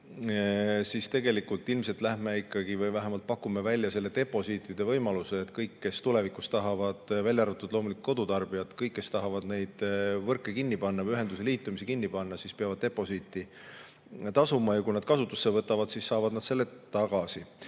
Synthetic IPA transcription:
sist̪e̞ɡe̞likult̪ːˑilmse̞lt̪læhme̞ikːˑɑɡ̥ivɤjvæɦemɑlt̪̚pɑkːumevælʲːjɑse̞lːe̞t̪e̞pˑo̞sit̪ˑid̪̥e̞vɤjmɑluseːt̪kɤjkːe̞st̪ule̞vikust̪ɑɦɑvɑd̪̥vælʲjɑrvɑt̪ːˑud̪̥lo̞ːmulikuko̞d̪̥ut̪ɑrb̥ijɑt̪kɤjkːe̞st̪ɑɦɑvɑd̪̥ne̞jd̪̥vɤrkːˑekinːipɑnːɑyɦe̞nd̪useliːt̪ːˑumisikinːipɑnːɑsispeɑvɑd̪̥̚t̪e̞po̞sit̪ːˑi | t̪ɑsumɑjɑkujnɑd̪̥kɑsut̪ːˑu̥sːe̞vɤt̪ːˑɑvɑd̪̥sisːɑːvɑd̪nɑd̪̥selːe̞t̪ɑɡ̥ɑsi

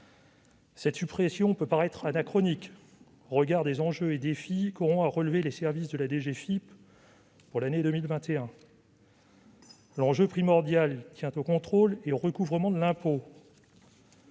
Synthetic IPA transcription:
sɛt̪sypχesjɔ̃pøpaʁɛt̪χanakχɔnik | ʁəɡaʁd̪ezɑ̃ʒøed̪efikɔʁɔ̃aʁəlvelesɛʁvisd̪əlad̪eʒefip | pːuʁlaned̪ømilvɛ̃t̪eɛ̃ | lɑ̃ʒøpχimɔʁd̪jalt̪jɛ̃t̪okɔ̃t̪χoleoʁəkuvʁəmɑ̃d̪əlɛ̃po

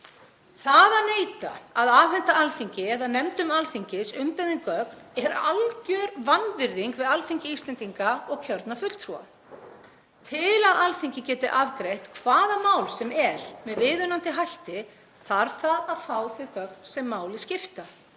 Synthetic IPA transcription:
θaðaneːjt̪a̰aðaːvɛnt̪aalθiɲcɪɛðaðnɛmt̪ʏmalθiɲcɪsʏmpɛðɪŋkœknɛɾalcœɾvanvɪɾðiŋkvɪðalθiɲcɪist̪lɛnt̪iŋkaɔɣcʰœɾt̪nafʏt̪l̥t̪ʰɾua̰ | t̪ʰɪlaðʔalθiɲcɪcɛːt̪ɪʔavkɾejht̪kʰvaːðamaːwlsɛmɛɾ̥mɛðvɪːðʏnant̪ɪɦajht̪ɪ | θaɾ̥θaaðfaːwθɪkœk̚nsɛmːaːwlɪscɪft̪a

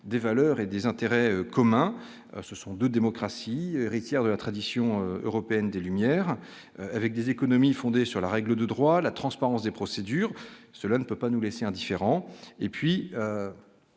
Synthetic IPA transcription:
d̪evalœʁed̪ezɛ̃t̪eʁɛøkɔmɛ̃ | səsɔ̃d̪ød̪emɔkχasieʁit̪jɛʁd̪əlat̪χad̪isjɔ̃øø̰ʁɔpeɛnd̪elymjɛːʁ | øavɛk̚d̪ezekɔnɔmifɔ̃d̪esyʁlaʁɛɡləd̪əd̪ʁwalat̪χɑ̃spaʁɑ̃sd̪epχɔsed̪yːʁsəlanəpøpanuleseɛ̃d̪ifeʁɑ̃epɥiø

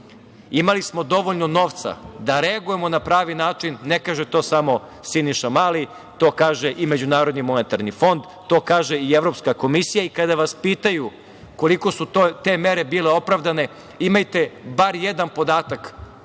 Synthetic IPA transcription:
imalismo̞d̪o̞ʋo̞ʎnono̞ːʋt̪sa̰d̪aɾe̞aɡuje̞mo̞napɾaːʋinaːt͡ʂinːekaːʒet̪o̞ːsamo̞ | siniʃamaːli | t̪o̞ːkaːʒeʔime̞d͡ʑunaːɾo̞d̪nimo̞net̪aɾnifo̞nd̪ | t̪o̞ːkaːʒeieʋɾo̞pskako̞misijaikad̪aʋaspiːt̪aju | ko̞liko̞suot̪e̞me̞ɾebiːle̞o̞pɾaʋd̪ane̞ | imajt̪e̞baɾjed̪anpo̞d̪aːt̪ak

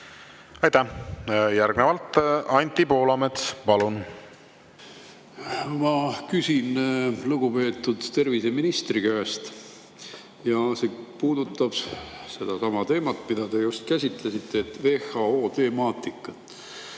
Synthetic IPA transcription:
ɑjt̪æjærɡ̥nevɑlt̪ɑnʲt̪ʲːˑipo̞ːlɑmet̪spɑlun | mɑkysʲinluɡ̥upe̞ːt̪ːˑud̪̥t̪e̞rvise̞minist̪rikæest̪ | jɑsepuːd̪ut̪ːˑɑb̥se̞d̪̥ɑsɑmɑt̪e̞ːmɑt̪ːmid̪ɑt̪e̞just̪kæsʲit̪lesit̪ːet̪ve̞ːhɑoːt̪e̞mɑːt̪ikːˑɑt̪

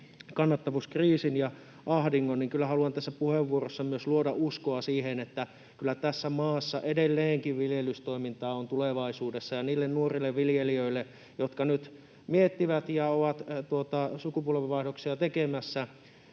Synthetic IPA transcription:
kɑnːɑt̪ːɑʋuskriːsinjɑ | ʔɑhdiŋːonniŋkylːˑæhɑluɑnt̪æsːæpuheʋːuorosːɑmyøsluodɑʔuskoɑsiːhenet̪ːæ | kylːˑæt̪æsːæmɑːsːɑʔedelːeːŋkiʋʋiljelyst̪oimint̪ɑːont̪uleʋɑisuːdesːɑjɑniːlːennuorilːeʋʋiljeliøilːe | jot̪kɑnyt̪ | miet̪ːiʋæt̪jɑoʋɑt̪t̪uot̪ɑsukupuolʋeʋɑihdoksiɑt̪ekemæsːæ

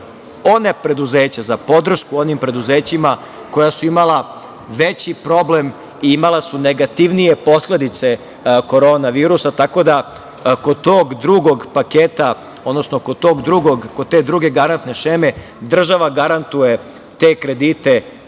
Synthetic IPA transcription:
o̞nepɾe̞d̪uzeːt͡ɕazapo̞d̪r̩ʃkuo̞nimpɾe̞d̪uzeːt͡ɕima | ko̞jasuimala | ʋet͡ɕipɾo̞blem | iimalasuneɡat̪iʋnije̞po̞sle̞d̪it̪se̞ | ko̞ɾo̞ːnaʋiːɾusat̪ako̞d̪a | kod̪t̪oːɡd̪ɾuɡoɡpakeːt̪a | o̞d̪nosnokod̪̚t̪o̞ːɡd̪ɾuɡoɡkod̪̚t̪e̞d̪ɾuɡe̞ɡaɾant̪ne̞ʃeːme̞ | d̪r̩ʒaʋaɡaɾant̪uje̞ | t̪e̞ːkɾe̞d̪it̪e̞

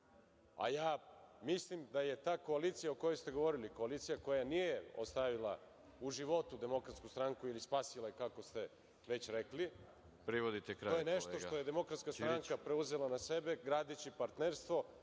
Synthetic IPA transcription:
a̰jaːmislimd̪aje̞t̪aːko̞alit̪sijaoko̞jojst̪e̞ɡo̞ʋo̞ɾiliko̞alit̪sijako̞janijeo̰st̪aʋilˠa̰ | uʒiʋo̞t̪ud̪e̞mo̞kɾat̪skust̪ɾaŋkuilispaːsilajekako̞st̪e̞ | ʋe̞t͡ɕɾekli | tpɾiʋod̪it̪ekɾaojeneʃt̪o̞ʃt̪ojed̪e̞mo̞kɾat̪skast̪aŋkapɾeuzelanase̞be̞ɡɾaːd̪et͡ɕipaɾt̪neɾst̪ʋo̞

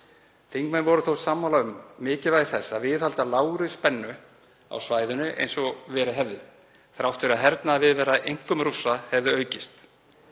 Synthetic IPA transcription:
θeŋkmanvɔɾʏθowsaːmhawlaʏmːɪːcɪvajɣθɛsːavɪðhalt̪alaːwɾɪspɛnːʏ | a̰wsvaːjðʏnʏʔḛjnsɔvɛːɾɪɦɛvðɪ | θɾawht̪fɪɾaɦɛɾt̪naːðvɪðvɛːɾaʔejŋ̥kʏmɾusːahɛvðɪœːɥcɪst̪

